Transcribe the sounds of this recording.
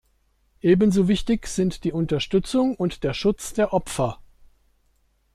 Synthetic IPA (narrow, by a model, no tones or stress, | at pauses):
ʔeːbənzoːvɪçtɪçz̥ɪntd̥iːʊntɐʃtʏt͡sʊŋʊntd̥eːɐʃʊt͡sd̥eːɐʔɔpfɐ